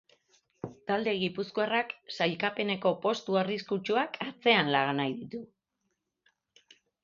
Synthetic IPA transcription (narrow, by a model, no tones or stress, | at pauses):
t̪ald̪e̞ɣ̞ipuskoaraksajkape̞ne̞ko̞po̞st̪uariskut͡ʃuakʰat͡se̞anlaɣanajðit̪u